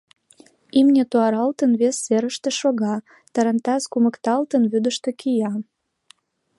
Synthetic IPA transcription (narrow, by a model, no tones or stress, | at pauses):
imnʲet̪oɑɾɑlt̪ənβesːeɾəʃt̪ĕʃoɣɑ | t̪ɑɾənt̪ɑskumə̆kt̪ɑlt̪ənβyd̪əʃt̪ĕkʰijɑ